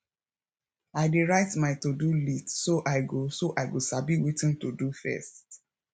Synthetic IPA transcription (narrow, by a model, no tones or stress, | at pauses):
aɪdeɹaɪtmaɪtodulitsoʔaɪɡosoʔaɪɡosabiwetĩntodufɛ̰stt